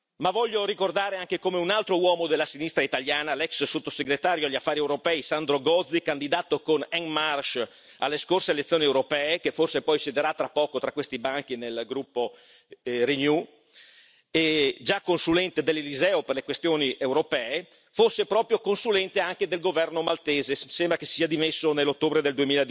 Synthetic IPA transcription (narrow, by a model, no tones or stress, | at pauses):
mavɔʎːoɾikord̪aːɾeaŋk̟ekomeunalt̪ɾowɔːmod̪elːasinist̪ɾait̪aʎjaːnalɛksːot̪ːoseɡɾet̪aːɾjoaʎːiafːaːɾiɛwɾopɛːisand̪ɾoɡɔd̪zikand̪id̪aːt̪okonɛŋmarʃ | a̰lːeskorseelet̪sːjoːniewɾopɛːekeforsepɔjsed̪eɾat̪ːɾapːɔːkot̪ɾakːwest̪ibaŋk̟inelɡɾupːo | rinju | ed͡ʒakːonsulɛnt̪ed̪elːelizɛːoperlekwest̪joːniʔewɾopɛːe | fosːepɾɔːpɾjokonsulɛnt̪eaŋked̪elɡovɛrnomalt̪eːzesembɾakesːiːad̪imesːonelːot̪ːoːbɾed̪eld̪uemiːlad̪